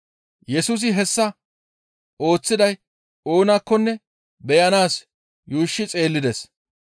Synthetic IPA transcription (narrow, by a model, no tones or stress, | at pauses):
jɛsuːs̬ɪɦɛsːɐ | o̞ːt͡sːɪd̪ɐj | oːnaːkːɔnːɛ | bɛjɐnaːs | juːʃːɪt͡sʼe̞ːlːɪd̪ɛs